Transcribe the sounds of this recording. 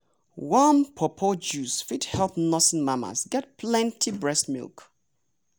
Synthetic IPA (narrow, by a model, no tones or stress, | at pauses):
wampʰɔpʰɔd͡ʒusfidhɛlˠpnɔsnmama̰sɡɛt̚pʰlɛ̃ntʰibɹɛstmḭlˠk